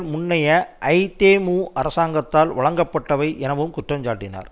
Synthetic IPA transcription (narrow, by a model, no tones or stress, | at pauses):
lmʊnːɐjɐʔɐɪt̪eːmuːʔɐɾɐsaːŋɡɐt̪ːaːlʋɐɭɐŋɡɐpːɐʈːɐʋɐɪʔɛnɐʋɯmkʊʈrɐmd͡ʒaːʈːɪna̰ːɾ